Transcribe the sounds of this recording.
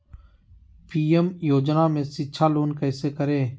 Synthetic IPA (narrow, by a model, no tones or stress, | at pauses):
pʰiːemjoːd͡ʒnaːmẽːsiːt͡ʃʰaːloːnkəːseːkəɾeː